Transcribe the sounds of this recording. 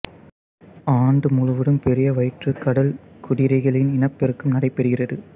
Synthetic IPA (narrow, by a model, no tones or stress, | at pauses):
aːɳɖɯmʊɻɯʋɯɽɯmpɛɾɪjɐʋɐɪʈrɯkːɐɽɐlkʊɽɪɾɐɪɣɐɭɪnɪnɐpːɛɾɯkːɯmnɐɽɐɪpːɛɾɯɣɪrɐðɯ